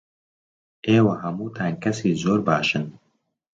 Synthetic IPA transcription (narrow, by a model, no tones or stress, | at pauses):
eːwɐɦɐmuːt̪ʰaːnkɐsiːzoːɾbaːʃɨn